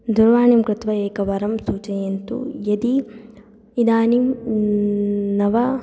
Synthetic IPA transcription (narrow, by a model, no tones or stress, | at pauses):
d̪uɾʋaːnimkɾɪt̪ʋɐeːkɐʋɐɾɐmsuːt͡ʃɐjent̪ṵjɐd̪i | id̪aːnim | nɐʋɐ